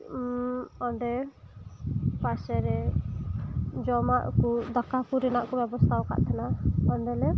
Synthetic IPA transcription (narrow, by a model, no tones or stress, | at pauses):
ɔɳɖɛ | pasɛɾɛ | d͡ʒɔmaʔkud̪akakuɾɛnaʔkɔbɛbɔst̪ʰawka̰ʔt̪ʰanaɔndɛlɛ